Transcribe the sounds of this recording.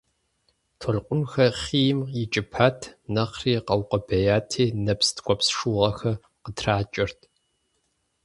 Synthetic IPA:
tʰɔɮqʷʼʊnxɐχiːjɪmjɪt͡ʃʼɪpʰaːtʰnɐqriːqɐwqʼɐbɐjaːtʰiːnɐpstʰkʷʼɔpsʂuːʁɐxɐ | qətʰraːt͡ʃʼɪrtʰ

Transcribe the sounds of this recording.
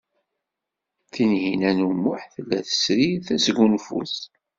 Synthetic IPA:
θinhinænumʊħθəlːæθə̥sɾiθæsɡunfṵθ

